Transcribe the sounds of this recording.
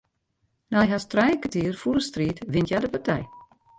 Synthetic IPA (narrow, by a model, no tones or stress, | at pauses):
najɦastrɛjəkətiːərfuɾəstriːtʋɪntjadəpartʰɛj